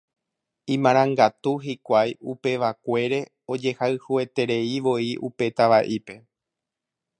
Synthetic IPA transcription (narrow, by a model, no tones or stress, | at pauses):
ĩmãɾ̃ãŋɡat̪uɦikʷajupe̞ʋakʷe̞ɾe̞ | o̞d͡ʒe̞haɨhue̞t̪e̞ɾe̞iʋo̞iʔupe̞t̪aʋaʔipe̞